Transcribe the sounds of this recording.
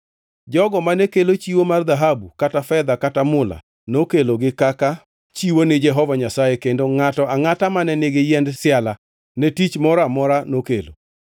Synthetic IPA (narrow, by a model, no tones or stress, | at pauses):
d͡ʒɔɡɔmanɛkelot͡ʃiwomard̪aɦabukatafɛd̪akatamʊla̰ | nokeloɡɪkaka | t͡ʃiwonɪd͡ʒɛɦɔvaɲasajekendoŋatɔaŋatamanɛnɪɡɪjɛndsɪala | nɛtit͡ʃmɔɾamɔɾanokḛlo̰